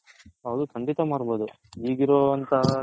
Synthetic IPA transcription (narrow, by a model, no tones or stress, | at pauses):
ɐʋd̪ukʰɐɳɖit̪ɐmaːɽbo̞ːd̪u | iːɡiɾoːɐnt̪ɐ